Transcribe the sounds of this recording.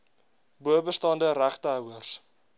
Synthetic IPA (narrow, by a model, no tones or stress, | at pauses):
buəbəstɑndəɾæχtəɦœwərs